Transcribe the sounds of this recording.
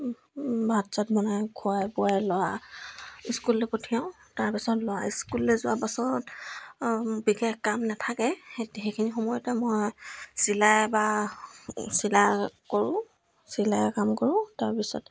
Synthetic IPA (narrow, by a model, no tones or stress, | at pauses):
bʱatzatbɔnajkʰʊajbuajlɔwa | iskulɛpotʰijaʊ̃ | taɹpisɔtlɔwaiskulːɛzʊwapasɔt | biɡɛxkamnatʰakɛetxejkʰinixɔmɔjɔtɛmojsilajba | silakoɹʊ̃ | silajkamkɔɹʊ̃taɹpisɔ̰t